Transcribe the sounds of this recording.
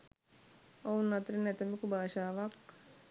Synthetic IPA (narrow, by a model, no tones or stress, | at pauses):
ounːat̪ɾinɛt̪əmikubaːʃaːʋak